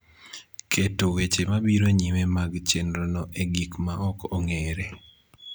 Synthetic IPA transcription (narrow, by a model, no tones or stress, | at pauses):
kʰetowet͡ʃemabiɾoɲimemaɡt͡ʃenɾɔnɔʔeɡikmaʔɔkɔŋeɾe